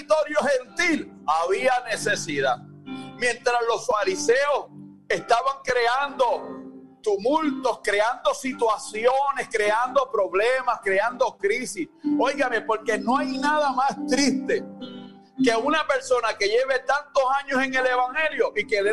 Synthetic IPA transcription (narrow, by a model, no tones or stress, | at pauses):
t̪o̞ɾjohe̞nt̪il | aβianese̞siðað | mjẽ̞nt̪ɾaslo̞sfaɾiseos | e̞st̪aβaŋkɾe̞and̪o̞ | t̪umult̪o̞skɾe̞and̪o̞sit̪wasjone̞skɾe̞and̪o̞pɾo̞βle̞maskɾe̞and̪o̞kɾisiso̞jɣame̞po̞ɾke̞no̞ajnaðamast̪ɾist̪e̞ | ke̞unape̞ɾso̞nake̞ʝe̞βe̞t̪ant̪o̞saɲo̞se̞ŋe̞le̞βaŋhe̞ljoʔikeðe